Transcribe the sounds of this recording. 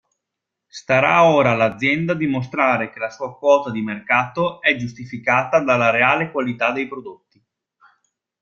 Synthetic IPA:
st̪aɾaoːɾalad̪zːjɛnd̪ad̪imos̬t̪ɾaːɾek̟elasuːakwɔːt̪ad̪imerkaːt̪oɛd͡ʒust̪ifikaːt̪ad̪alːaɾeaːlekwalit̪ad̪ejpɾod̪ot̪ːi

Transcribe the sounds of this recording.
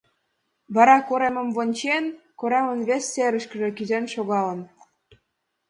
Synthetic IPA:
βɑɾɑkoɾemə̆mβonʲt͡ɕenkoɾemə̆nβesʲːeɾə̆ʃkə̆ʒĕkizenʃoɣɑlə̆n

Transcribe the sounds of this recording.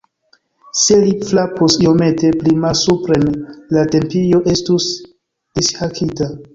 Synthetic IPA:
se̞liflapusio̞me̞te̞plimalsupɾe̞nlate̞mpijo̞ʔe̞stus | ishakʰita

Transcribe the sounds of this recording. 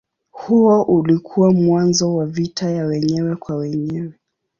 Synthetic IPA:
huɔʔulikʰuwamwanzɔwavitajawɛɲɛwɛkwawɛɲɛwɛ

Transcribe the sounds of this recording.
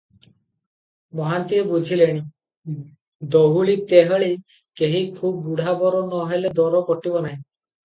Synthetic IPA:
mɔɦant̪iebud͡ʒʱileɽ̃i | d̪ɔɦuɭit̪eɦɔɭi | keɦikʰub̚ːuɽ̤ʱabɔɾɔnɔɦeled̪ɔɾɔkɔʈibɔnaɦĩ

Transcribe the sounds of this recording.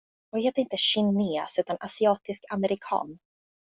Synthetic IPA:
ɔvheːt̪əɾɪnt̪əɕɪneːsʉ̟ːt̪anʔasɪɑːt̪ɪskaməɾɪkʰɑ̰ːn

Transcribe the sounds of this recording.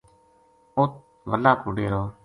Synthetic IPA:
oːt̪̚ | ʋəlaːkuɽeːɾoː

